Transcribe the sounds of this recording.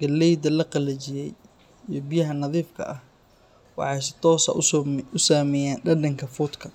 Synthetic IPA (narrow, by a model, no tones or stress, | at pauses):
ɡ̥ɐlːɛjd̪ɐlɐqɑlɛt͡ʃɪjɛj | ijɞbɪjɐɦɐnɐðiːfkʰɐ̰ʔɐh | wɑ̰ħɑjsɪ̥t̪ʰɔːsɐ̰ʊsaːmɛjaːnɖɐɖɐŋkʰɐfʊd̪kʰɐ